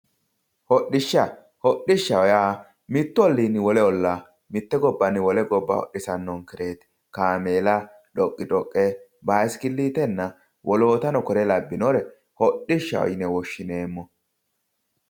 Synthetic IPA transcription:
hɔɗɪʃːɐ | hɔɗːɪʃːɐwɔjaː | mɪt̪ːʊɔlːinɪwɔlɛɔlːa | mɪt̪ːɛɡɔbːɐnɪwɔlɛɡɔbːɐ̰hɔ̰ɗːɪsɐnːɔnkɪɾe̞ːt̪ | kaːmeːlɐ | ᶑɔkʼːɪᶑʼɔkʼːɛ | baːskɪlːiːt̪ɛnːɐ | wʔɔloːt̪ɐnɔkɔɾɛlɐbːɪnoɾɛ | hɔɗːɪʃːɐ̰wɔ̰jnɛwɔʃːɪne̞ːmːɔ

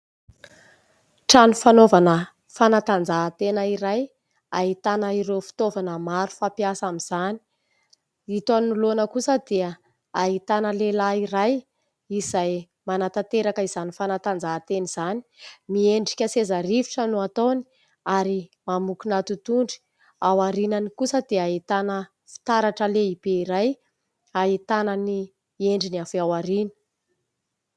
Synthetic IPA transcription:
ʈ͡ʂanufanovanə | fanat̪and͡zat̪enəiɾaj | aɦit̪anəiɾewfi̥t̪ovanəmaɾu̥fapiasamiz̥ani̥ | it̪oninulonəkusəd̪eə | aɦit̪anəlelaiɾaj | izaj | manat̪at̪eɾakəizanifanat̪and͡zaɦːt̪eniz̥ani̥mieɳɖ͡ʐikʲəsezaɾifiʈ͡ʂənuat̪oni̥ | aɾimamukunat̪ut̪uɳɖ͡ʐi̥ | awaɾinənikusəd̪eait̪anə | fi̥t̪aɾaʈ͡ʂəleib̥eiɾaj | aɦit̪anəni | eɳɖ͡ʐiniafiawaɾinə̥

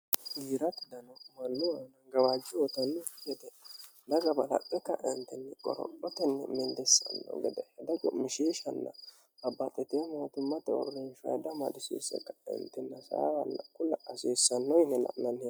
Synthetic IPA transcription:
ɡiːɾɐt̪ɪd̪ɐnomɐlːʊwɐnɐɡɐwaːd͡ʒːɪwɔt̪ɐnːɛɛd̪ɛ | d̪ɐɡɐbɐlɐ̰pʼːɛkːɐʔɪnt̪ːɛnːɛkʼɔ̰ɾɔ̰pʼːɔt̪ɛnːɛ̰mɪnd̪ɛsːɐ̰nːo̰ɡɛd̪ɛhɛd̪ɐɡʊmːɪʃeːʃɐnːɐ̰ | bɐbːɐt̪ʼːɪt̪eːmoːt̪ɪmːɐt̪ɛɔ̰renʃɐ̰jd̪ɐmɐ̰d̪ɪsḛːsɛ̰kːɐ̥ɪ̰nt̪ːɛnːɐsɐ̰wɐnːɐkːʊlɐʔɐseːsːɐnːɔɪnɛnɐ̰nɐnɛ

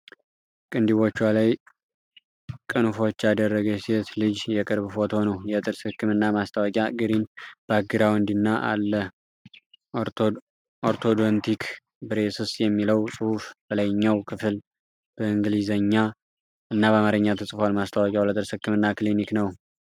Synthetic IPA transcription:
kʼɨnd̪iβo̞t͡ʃːwalaj | kʼɨnfo̞t͡ʃːad̪ərːəɡəset̪lɨd͡ʒjɛkʼɨɾbɨfo̞t̪ho̞nəwjɛt̪ʼɨɾshɨkːɨmɨnːamast̪ʰawɔkʼjaɡɨɾinb̥aɡːɨɾawɨnd̪inːaʔa̰lːə | oɾt̪ʰod̪ont̪ʰikʰ | bɨɾe̞sɨsjɛmːiləwsʼɨhufbəlajɲːawkʰɨfɨl | b̥əɨŋɡɨlizəɲːa | ɨnːaβəamaɾɨɲːat̪ʰəsʼɨfalmast̪ʰawɔkʼjawlət̪ʼɨɾshɨkːɨmɨnːakliniknəw

